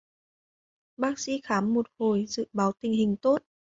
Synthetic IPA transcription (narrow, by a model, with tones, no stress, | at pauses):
ɓaː˦˥k̚sḭ˧˥xaː˨˦mːo˨˩t̚ho˨˩jzɨ̰˧˨ɓaː˨˦wt̪ï˨˩ŋ̟ɦï˨˩ŋ̟t̪o˦˥t̚